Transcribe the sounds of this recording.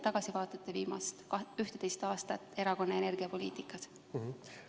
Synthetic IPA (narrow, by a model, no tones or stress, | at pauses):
t̪ɑɡ̥ɑsivɑːt̪ˑet̪ˑːeviːmɑ̰st̪ɑyht̪et̪e̞jst̪ɑːst̪ɑt̪ːˑe̞ɾɑko̞nːeene̞rɡ̥iɑpo̞lḭːt̪ikːˑɑs